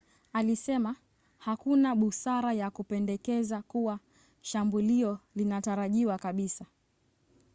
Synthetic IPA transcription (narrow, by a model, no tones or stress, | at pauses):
alisɛma | hakunaɓusaɾajakupɛndɛkɛzakuwa | ʃambuliɔlinataɾaʄiwakaɓisa